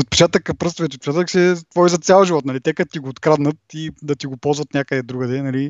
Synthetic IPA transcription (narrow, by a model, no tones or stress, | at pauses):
ot̪̚pɛ̥t͡ʃat̪əkəpɾɤst̪vɛt̪ot̪̚pɛt͡ʃat̪əksʲiɛt̪vɔizɐt̪sʲalˠʒivɔt̪nɐlit̪ɛkɐt̪iɡoːt̪kɾad̪nət̪̚id̪ɐt̪iɡopɔlˠzvɐt̪nʲjakəd̪ɛd̪ɾuɡəd̪ɛnɐli